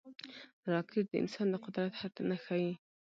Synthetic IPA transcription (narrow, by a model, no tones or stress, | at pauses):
ɾˤɑkʰɪbd̪ʔɪ̰nsɑːnlɪqʊd̪ɾˤɑt̪ħat̪ːanaxaji